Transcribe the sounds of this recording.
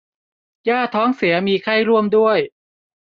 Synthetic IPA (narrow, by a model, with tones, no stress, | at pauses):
jaː˥˩t̪ʰɔː˦˥ŋsi˩˦ɐmiː˧kʰa˥˩jɾu˥˩əmdu˥˩əj